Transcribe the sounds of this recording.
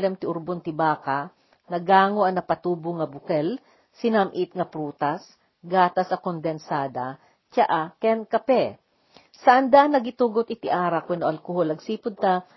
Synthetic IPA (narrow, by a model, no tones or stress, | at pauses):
lɛmt̪ɪʔʊɾbont̪ɪbaːka | nɐɡaːŋoʔɐŋnɐpɐt̪uːbʊŋɐbʊkɛl | sɪnamʔɪt̪̚ŋɐpɾuːt̪as | ɡaːt̪ɐsʔɐkond̪ɛnsaːd̪a | t͡ʃaʔakɛnkɐpɛ | sɐʔɐnd̪anːɐɡɪt̪uːɡot̪ɪt̪ɪʔaːɾɐkwɛno̰ʔɐlkoholɐɡsiːpʊd̪̚t̪a